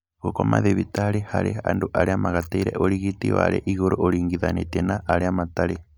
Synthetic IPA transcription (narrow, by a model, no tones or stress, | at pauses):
ɣokoma̰ðeβitaɾehaɾea̰ndoʔaɾeamaɣataiɾɛ̰ʔoɾiɣitḭwa̰ɾeʔiɣoɾoʔoɾiːŋɡiðanetenaʔaɾeamataɾe